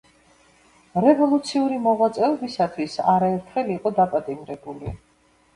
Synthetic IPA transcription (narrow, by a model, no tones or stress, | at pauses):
ɾɛvɔlˠut̪sʰiuɾimɔʁwat̪sʼɛɔbisat̪ʰwisaɾaɛɾt̪ʰχɛliːqʼɔd̪apʼat̪ʼimɾɛbuli